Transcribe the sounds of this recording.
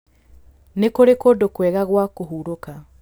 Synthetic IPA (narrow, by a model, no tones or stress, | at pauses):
nekoɾekodokwɛːɣaɣwakoɦuɾoka